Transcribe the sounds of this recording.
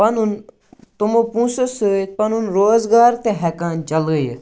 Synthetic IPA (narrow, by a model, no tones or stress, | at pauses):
pɐnun | t̪umopũːsosut̪̚pɐnunɾoːzɡaːɾt̪eɦɛkãːnt͡ʃɐlɡəj